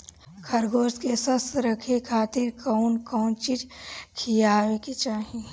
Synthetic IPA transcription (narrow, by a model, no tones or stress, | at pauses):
kʰɐɾɡoːskesɐsɾɐkʰekʰaːt̪iɾkɐʊnkɔːnt͡ʃit͡ʃkʰijaːwekit͡ʃaːɦi